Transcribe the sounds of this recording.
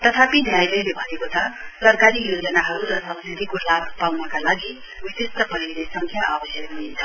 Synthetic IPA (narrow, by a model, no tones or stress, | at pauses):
t̪ʌt̪ʰapid̪ʱjajlʌjlebʱʌnekot͡sʰʌsʌrkaɾijod͡zʌnaɦʌɾuɾʌsʌmsit̪ikolabʱpawnʌkalaɡi | wisist̪ʌpʌilesʌŋkʰjaʔabʌsjʌkɦuint͡sʰʌ